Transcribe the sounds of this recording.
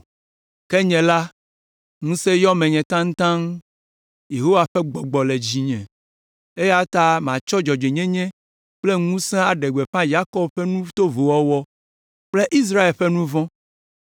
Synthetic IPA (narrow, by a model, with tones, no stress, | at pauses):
kɛ˦ɲɛ̃˨la˦ | ŋũ˦sɛ˦jɔ˦mɛ̃˨ɲɛ̃˨t̪ã˦ŋ̩̃˦t̪ã˦ŋ | je˨ɦo˦wa˨ɸɛ˦ɡ͡bɔ˨ɡ͡bɔ˨le˨d͡ʑi˨ɲɛ̃˨ | e˦ja˦t̪a˦m˨ã˨t͡ʃɔ˦d͡ʒɔ˨d͡ʒe˨ɲɛ̃˦ɲɛ̃˦ | k͡ple˦ŋũ˦sɛ̃˦a˨ɖɛ˨ɡ͡bɛ˨ɸã˦ja˦kɔ˦b̚ɸɛ˦nũ˦t̪o˦vo˨wɔ˦wɔ˦ | k͡ple˦ʔi˦s̬ɾa˦e˨lɸɛ˦nũ˦vɔ̃˦